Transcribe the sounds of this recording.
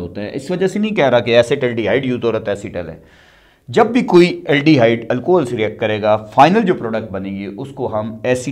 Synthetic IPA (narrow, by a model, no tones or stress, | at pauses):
ɦo̰ːt̪eɦɛ̰̃ʔɪsʋɐd͡ʒasenɐɦĩkɛɦɾaːkeɛːseʈɛːlɖiːɦaːɪɖjuːt̪oːɾat̪ːɛːsiʈɛlɛ̰̃ː | d͡ʒɐbːikoːiɛːlɖiːɦaːɪɖəlkoːɦəlsɾiɛːk̚ʈ̚kɐɾeːɡaːfʰaːɪnəld͡ʒoːpɾɔːɖək̚ʈ̚bɐnẽːɡieʔʊskoɦɐmɛːsi